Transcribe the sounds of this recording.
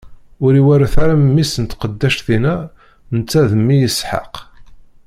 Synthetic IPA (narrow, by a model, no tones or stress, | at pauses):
ʊɾiwæɾæθaɾaməmːisənt̪qəd̪ːæʃθinæ | nət͡sːæðəmːijəsħɑ̰q